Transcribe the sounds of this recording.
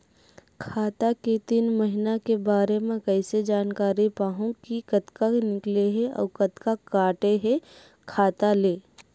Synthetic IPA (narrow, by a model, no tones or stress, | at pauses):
kʰaːt̪aket̪iːnməɦɪnakebaːɾemẽkɛɪsed͡ʒaːnkaːɾipaːɦũkikɐt̪kanɪkleɦeɔ̰ːkɐt̪kakaːʈeɦe | kʰaːt̪aleː